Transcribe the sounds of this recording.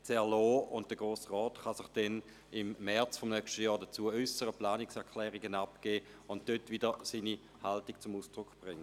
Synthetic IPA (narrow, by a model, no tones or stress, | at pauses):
t͡sɛɐloːʊnt̚d̥əɡ̥ʁoːsʁɔːtχɑsɪχd̥ɛn | ɪmːɛɐt͡sfomnœkʃtəjɔːɐdət͡suːəœsəʁəplaːnɪksɛɐkʰlɛːʁiɡənapkeː | ʊnt̚d̥øtvidəsiːni | haltik̚t͡sʊmuːsd̥ʁʊkb̥ʁɪŋːə